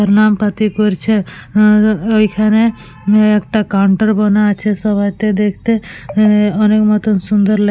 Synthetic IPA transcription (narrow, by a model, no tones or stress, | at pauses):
əɾnampat̪ikɔɾt͡ʃʰe | oikʰane | ek̚ʈakaɳʈəɾbɔnat͡ʃʰesɔbajt̪ed̪ekʰt̪e | ɔnekmɔt̪ənsund̪əɾl